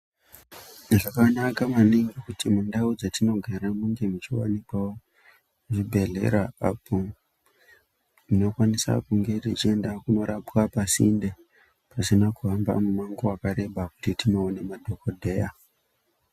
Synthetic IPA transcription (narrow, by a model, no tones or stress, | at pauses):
naʐakanakamaneŋɡekutimundaud͡zatino̞ɡʱaɾamuŋɡe̞mut͡ʃiwa̰nikawo | uʐibʱe̞ɮe̞̰ɾaapʰo | mino̞kwanisa̰kuŋɡe̞rit͡ʃie̞ndakuno̞ɾapwapasinde | pasinakuɦamba̰mumaŋɡoakaɾe̞bʱaku̥titinaone̞madʱo̞kodʱe̞ja